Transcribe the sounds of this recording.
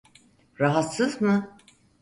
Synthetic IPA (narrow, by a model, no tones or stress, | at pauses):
ɾaɦat̪sɯzmɯ